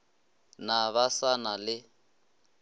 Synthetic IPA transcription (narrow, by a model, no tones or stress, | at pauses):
naβasanalɪ